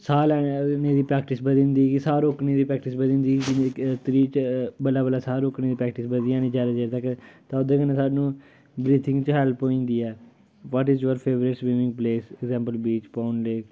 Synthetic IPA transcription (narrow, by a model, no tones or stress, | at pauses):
saːlɛːnẽːd̪iːpɾɛːk̚ʈɪsbəd̪ĩnd̪iːɡisaːɾoːkneːd̪iːpɾɛːk̚ʈɪsbəd̪ĩːnd̪iːd͡ʒɪt̪ɾiːt͡ʃbəlaːbəlaːsaːɾoːkneːd̪iːpɾɛːk̚ʈɪsbəd̪ijãːnĩːd͡ʒjaːd̪aːd͡ʒaːɾt̪əkt̪ãʊd̪eːkənẽːsaːɖnũː | bɾiːt̪ʰɪ̃ŋɡt͡ʃɦɛlpoːĩːnd̪iːɛː | ʋɔːʈɪːzjoəɾpʰeːʋɾɪʈsbiʋɪ̃ŋɡpleːsɛɡzɛ̃ːmpəlbɾiːt͡ʃpaːnleːk